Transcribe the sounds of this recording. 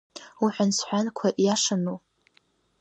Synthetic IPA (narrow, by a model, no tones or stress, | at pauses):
uħʷᶣansħʷankʷʰaʔjaʂanup